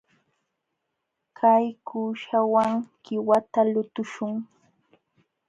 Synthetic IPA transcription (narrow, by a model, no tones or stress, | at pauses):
kʰajkuːʃawaŋkɪwat̪alʊt̪ʊʃʊŋ